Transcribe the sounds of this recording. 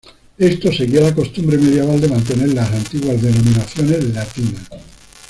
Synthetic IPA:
est̪oseɣialako̞st̪umbɾemeðjeβ̞ald̪emãnt̪̬eneɾlasant̪iɣwazðenomĩnaθjonezlat̪inas

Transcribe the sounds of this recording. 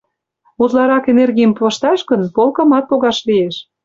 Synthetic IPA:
ut̪lɑɾɑkenerɣʲijəmplɤ̆ʃt̪ɑʃkənpolkɤ̆mɑt̪̚poɣɑʃlieʃ

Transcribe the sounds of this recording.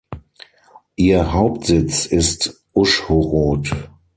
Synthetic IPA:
ʔiːɐɦaʊp̚tz̥ɪt͡sɪst | ʔʊʃhoʁoːt

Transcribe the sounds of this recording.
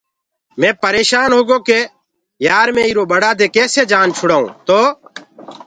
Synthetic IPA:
mẽːpəɾeːʃaːnɦoːɡoːkeː | jaːɾmẽːiːɾoːɓəɽaːd̪eːkeːseːd͡ʒaːnt͡ʃʰʊɽaːṵ̃ːt̪oː

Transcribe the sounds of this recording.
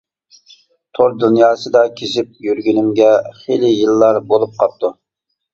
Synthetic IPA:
t̪ʰoɾd̪unjɑːsɨd̪ɑkʲʰesɪp̚jyɾɡʲynɪmɡʲɛχelɪjɨlˠːɑɾbolˠup̚qʰɑp̚t̪ʰu

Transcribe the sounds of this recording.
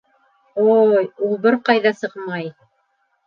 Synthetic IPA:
ojulˠbɘɾqɑjðɑsɤqmɑj

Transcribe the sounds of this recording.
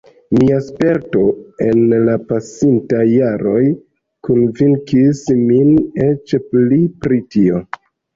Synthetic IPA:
miaspe̞ɾto̞e̞nlapasintajːaɾo̞j | kunviŋkismine̞t͡ʃplipɾitio̞

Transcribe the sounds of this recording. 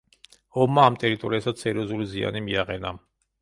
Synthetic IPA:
ɔmːaːmt̪ʼɛɾit̪ʼɔɾiasat̪sʰɛɾiɔzulizia̰nimiaqʼɛna

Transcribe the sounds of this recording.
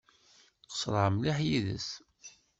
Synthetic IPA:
qə̥sɾˤəəmliħjiðə̰s

